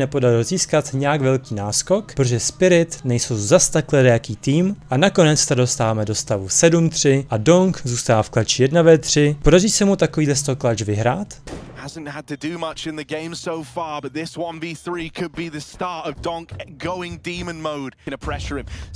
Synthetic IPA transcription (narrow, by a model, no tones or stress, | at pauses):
nɛpodaɾɪlziːskat̪ɲɛjakvɛlkiːnaːsko̞kpɾoʒɛspɪɾɪt̪nɛjsowzast̪aklɛdɛjakiːt̪iːmʔanako̞nɛt͡st̪ado̞st̪aːvamɛdo̞st̪avusɛdumt̪r̝̥ɪʔadoŋkzuːst̪aːaːfklat͡ʃɪjɛdnavɛːt̪r̝̥ɪpo̞dariːsɛmut̪akoviːdlɛs̬t̪oklat͡ʃvɪɦɾaːt̪hazə̃n̩thəd̚tʰɨdɨmʌt͡ʃɪ̃nðɨɡẽɪ̃msoʊfɑɹbʌt̪̚ðɪswʌ̃nviθɹiːkʰɨd̚biðɨstɑɹtəvdɔ̃ŋkɡ̥oʊɪ̃ŋdĩmə̃nmoʊd̥ɨ̃ñəpʰɹ̥ɛʃəɹɪ̃m